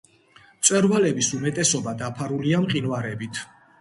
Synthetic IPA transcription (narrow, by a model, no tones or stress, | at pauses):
t̪sʼwɛɾvalɛbisumɛt̪ʼɛsɔbad̪apʰaɾuliamqʼinwaɾɛbit̪ʰ